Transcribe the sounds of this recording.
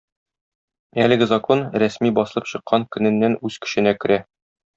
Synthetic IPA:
ælɘ̆ɡɘzɐkonɾæsmibɒsɤ̆lˠɤpɕɤ̆qːɑŋkɵ̆nɘ̆nːænʉz̥kɘ̥̆ɕɘ̆nækɘ̆ɾæ

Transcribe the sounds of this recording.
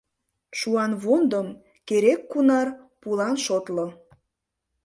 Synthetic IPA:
ʃuɑnβond̪əm | keɾekːunɑr | pulɑnʃot̪lo

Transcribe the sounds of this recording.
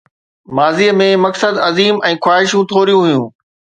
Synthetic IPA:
maːziːmẽmɐksəd̪ɐziːmɛ̃ːxwaːɦɪʃjũt̪ʰoːɾijũɦʊijũː

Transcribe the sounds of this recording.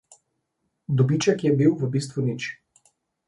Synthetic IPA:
d̪ɔbit͡ʃɛkjɛbiwvəbist̪ʋunit͡ʃ

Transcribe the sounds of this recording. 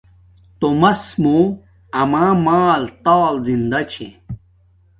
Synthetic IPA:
t̪omɐsmo | ɐmãːmaːlt̪aːlzind̪ɐt͡ɕʰḛ

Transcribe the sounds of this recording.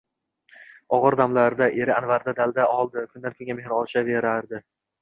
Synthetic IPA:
ɒʁɨɾd̪amlaɾd̪aʔe̞ɾɪanvaɾd̪ad̪ald̪aʔɒlˠd̪ɪkʰʊnd̪ankʰɵŋɡʲame̞hɾɪɒt͡ʃʰave̞ɾaɾd̪ɪ

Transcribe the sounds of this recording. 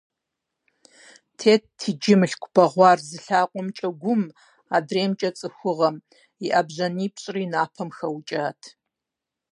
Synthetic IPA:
tʰeːt̚tʰid͡ʒɪmɬkʷʰʼb̥ɐʁʷɑːrzɨɬaːqʷʼɔmt͡ʃʼɐɡʷʊm | adreːmt͡ʃʼɐt͡sʼɨxʷʊʁɐm | iʔabʑɐniːpʰɕʼriːnaːpʰɐmxɐwt͡ʃʼaːtʰ

